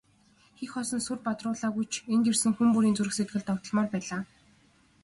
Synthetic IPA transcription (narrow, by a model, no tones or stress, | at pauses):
xexɔsɞ̆nsurpat̪rʊːɮaːɣujt͡ɕʰent̪ersɘ̆ŋxumpuɾiːnt͡suɾɘ̆xset̪̚ɡɘ̆ɮt̪ʰːɔkt̪ɞ̆ɮmɔːrpæːɮaː